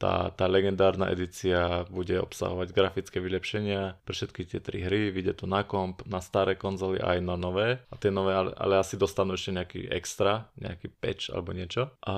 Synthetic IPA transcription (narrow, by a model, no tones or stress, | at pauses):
t̪a̰ːt̪aːlɛɡɛnd̪aːɾna̰ʔɛ̰d̪it͡siabuɟɛɔ̰psa̰ɦɔʋaɟɡɾafit͡skɛːʋilɛpʃɛɲɪapɾɛfʃɛt̪kit̪ɪɛt̪ɾḭɦɾiʋiɟɛt̪unakɔmpnast̪aɾɛːkɔnzɔlḭʔa̰jnanɔʋɛːat̪ɪɛnɔʋɛːalɛ̰ʔa̰lɛasid̪ɔst̪anuːɛʃcɛɲɛakḭɛ̰kst̪ɾaɲɛ̰a̰kiːpɛ̰t͡ʃa̰lɛ̰bɔɲɪɛt͡ʃɔʔa